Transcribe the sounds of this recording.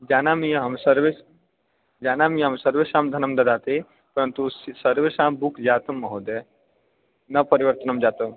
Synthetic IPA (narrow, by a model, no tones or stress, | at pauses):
d͡ʒaːnamijɐɦɐmsɐɾʋis | d͡ʒaːnaːmijɐɦɐmsɐɾʋeʃãːmd̪ʱɐnɐmd̪ɐd̪aːt̪i | pɐɾɐnt̪ussɐɾʋesaːmbukʰd͡ʒaːt̪ɐmːɐɦod̪e | nɐpɐɾiʋɐɾt̪ɐnɐmd͡ʒaːt̪ɐm